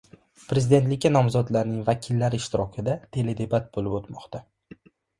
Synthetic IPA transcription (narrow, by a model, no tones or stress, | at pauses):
pʰɾe̞zɪd̪et̪lɪkʲːanɒmzɒd̪laɾnɪŋvakʲʰɪlːaɾɪːʃt̪ʰɪɾɒkʲʰɪd̪at̪ʰe̞le̞d̪e̞bat̪̚bolɪpot̪mɒqt̪ʰa